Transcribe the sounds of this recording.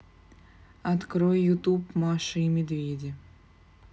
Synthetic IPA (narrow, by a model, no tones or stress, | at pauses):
ɐt̪kɾojːʊt̪upmaʂɨimʲɪd̪vʲedʲɪ